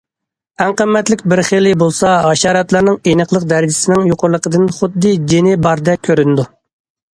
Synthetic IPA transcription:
æŋqəmːɛt̪lɪkʲbɪɾχelɪbolˠsɑɑʃɑːɾɑt̪lˠɑɾnɨŋenəqlˠəq̚d̪æɾɪd͡ʒɪ̥sɪnɪŋjoqʊɾlˠəqəd̪ɨnχʊd̪ːɨd͡ʒenɪbɑɾd̪ɛkʲʰøɾynd̪u

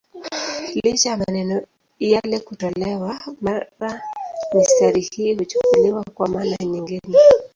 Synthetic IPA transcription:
lit͡ʃajamanɛnɔ | jalɛkutɔlɛwamaɾamistaɾihiːhut͡ʃu̥kuliwakwamanaɲiŋɡinɛ

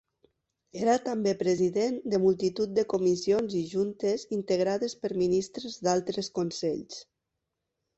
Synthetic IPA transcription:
eɾat̪ambepɾeziðend̪əmulˠt̪it̪ut̪̚d̪əkumizionziʒunt̪ezint̪əɣ̞ɾaðespəɾminist̪ɾezd̪alˠt̪ɾeskonsɛʎs

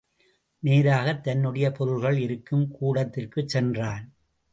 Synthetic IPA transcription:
neːɾaːɣɐt̪ːɐnːɯɽɐjɐpɔɾɯlɣɐɭɪɾɯkːɯmkuːɽɐt̪ːɪrkɯt͡ʃːɛndraːn

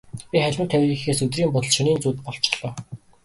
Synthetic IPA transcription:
pʲiχæɮʲmɘ̆nt̪ʰæwʲixeːsɵt̪̬riːmpʊt̪ɞ̆ɮʃɵniːnt͡suːt̪̚pɔɮ̥t͡ɕɪ̥̆χɮ̥ɔː

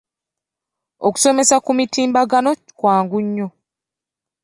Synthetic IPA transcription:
oku̥so̞me̞sakumitiːmbaɡano̞i̥kwaːŋɡuɲːo̞

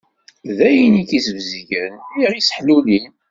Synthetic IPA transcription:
ðæjinikisəvziʝəniʁisə̥ħlulin

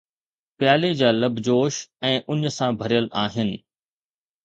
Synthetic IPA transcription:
pjaːled͡ʑaːlɐbʱd͡ʑoːʃɛ̃ːʔʊɲsãbʱɐɾijəlaːɦɪnɪ̆

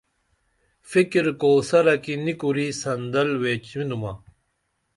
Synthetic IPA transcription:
fikɾkoːsɐɾɐkinikuɾisɐnd̪ɐlweːt͡ɕminumɐ

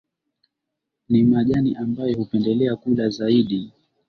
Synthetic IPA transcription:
nimaʄaniʔambajɔhupɛndɛlɛakulazaiɗi

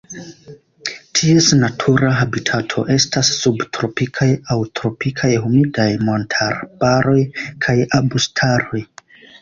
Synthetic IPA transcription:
tʰiesnatʰuɾaɦabitʰatʰo̞̰ʔe̞stasːubtɾo̞pikʰajawtɾo̞pikʰajhumidajmo̞ntʰaɾbaɾo̞jkʰajabustʰaɾo̞j

